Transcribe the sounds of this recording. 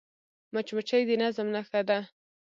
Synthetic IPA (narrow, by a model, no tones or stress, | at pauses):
mat͡ʃmat͡ʃajd̪ənazmnaxad̪a